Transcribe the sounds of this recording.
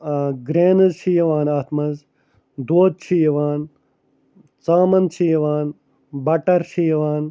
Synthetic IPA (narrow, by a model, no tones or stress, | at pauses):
ɡɾeːnɐzʃʰijɐʋaːnaːt̪ʰmɐz | d̪oːd̪̚t͡ʃʰijɐʋaːn | t͡saːmɐnt͡ʃʰijɐʋaːn | bɐʈɐɾʃijɐʋaːn